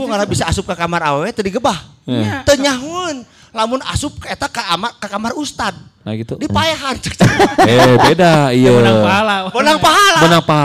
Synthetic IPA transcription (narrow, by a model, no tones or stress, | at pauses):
uŋalɾabisaːsʊp̚kəkamarawɛt̪ədiɡəbaht̪əɲaɦun | lamʊna̰sʊp̚kaet̪akaamakəkamarust̪ad̪̚naɡit̪udipajaɦant͡ʃək̚t͡ʃaebedaijəaaɦalabənaŋpaɦalabənaŋpaɦa